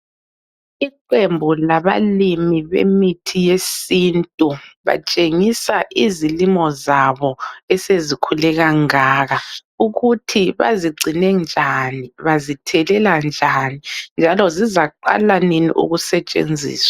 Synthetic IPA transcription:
iǃembʱulaβalimiβḛmitʰijesintʼuβa̰t͡ʃʼeŋisaʔizilimɔzaβɔɛsezikʰulɛɣaŋaːɣauɣutʰiβa̰ziɡ͡ǀʱinɛnd͡ʒʱaniβazitʰɛlɛland͡ʒʱanind͡ʒʱalɔzizaǃa̰laninḭʔṵɣusɛt͡ʃʼḛnd͡zʱḭːswḁ

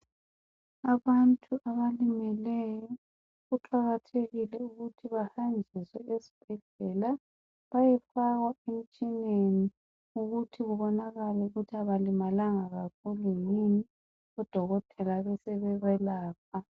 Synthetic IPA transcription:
aβantʼuʔaβalimɛlɛjɔ | ɣuǁaɣatʰeɣilɛuɣutʰiβahand͡ʒʱiswɛesi̥b̥ʱɛɮɛla | βajɛfaɣwaem̩t͡ʃʼineni | uɣutʰiɣuβɔnaɣalɛuɣutʰiaβalimalaŋaɣak̚ʰulunini | ɔd̥ʱɔɣɔtʼʰɛlaβɛsɛβɛɣɛlaːp̚ʰa

